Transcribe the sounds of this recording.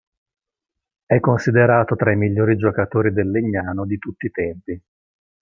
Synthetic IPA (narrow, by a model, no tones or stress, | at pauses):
ɛkːonsid̪eɾaːt̪ot̪ɾaimiʎːoːɾid͡ʒokat̪oːɾid̪elːeɲːaːnod̪it̪ut̪ːiːt̪ɛmpi